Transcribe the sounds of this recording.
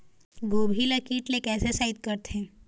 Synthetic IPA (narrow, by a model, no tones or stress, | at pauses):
ɡoːbʱiləkiːʈlekɛːsesait̪̚kəɾt̪ʰẽ